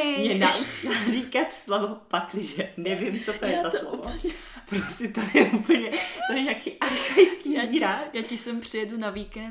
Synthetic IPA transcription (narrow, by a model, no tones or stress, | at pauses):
mɲɛnaʔut͡ʃɪlrikat̪slovopaklɪʒɛnɛvɪmt͡sot̪ojɛt̪aslo̰va | pɾosɪt̪ojɛʔupl̩ɲɛt̪ojɛɲaːkiːʔaɾxajt͡skiːiːɾaːjaːcɪsɛmpr̥ɪjɛdunavikɛn